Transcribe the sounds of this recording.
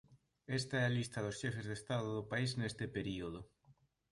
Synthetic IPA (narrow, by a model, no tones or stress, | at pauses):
est̪aɛalist̪ɐð̞osʃefezðest̪aðoðopaiznest̪epeɾioð̞ʊ